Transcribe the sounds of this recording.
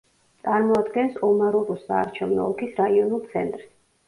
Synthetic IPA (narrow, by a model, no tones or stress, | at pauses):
t̪sʼaɾmɔad̪ɡɛnsɔmaɾuɾusa̰ːɾt͡ʃʰɛvnɔ̰ɔkʰisɾaiɔnulˠt̪sʰɛ̰nt̪ʼɾs